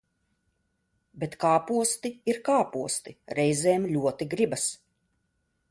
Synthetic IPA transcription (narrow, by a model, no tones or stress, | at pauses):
bʲet̪kaːpuɔst̪iiɾkaːpuɔst̪iɾɛjzeːmlʲuɔt̪iɡɾibas